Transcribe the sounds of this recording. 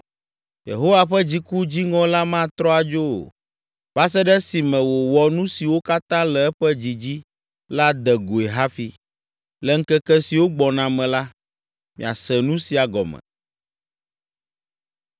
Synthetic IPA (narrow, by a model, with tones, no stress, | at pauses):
jḛ˨ɦo˦wa˨ɸɛ˦d͡ʑi˦ku˦d͡ʑi˦ŋɔ̃˦la˦mã˦˨t̪ɾɔ˦a˨d͡ʒo̰˦˨ | ba˦s̬ɛ˦ɖɛ˦si˨mɛ̃˨wo˨wɔ˨nũ˦si˨wo˦ka˦t̪ã˦lɛ˨ɛ˦ɸɛ˦d͡ʑi˨d͡ʑi˦ | la˦d̪ɛ˨ɡo˨e˨ɦa˦fi˨ | lɛ˨ŋ̩˦kɛ˦kɛ˦si˨wo˦ɡ͡bɔ˨nã˨mɛ̃˨la˦ | mḭ̃˨a̰˨sɛ˨nũ˦si˨a˨ɡɔ̰˨mɛ̰̃˨